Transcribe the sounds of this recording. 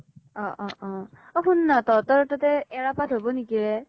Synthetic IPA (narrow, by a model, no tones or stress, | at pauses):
ɔ̃ʔɔʔɔ̃ | ɔɦunːatɔtɔɹɔtatɛɛɹapatɦobɔnikiɹɛ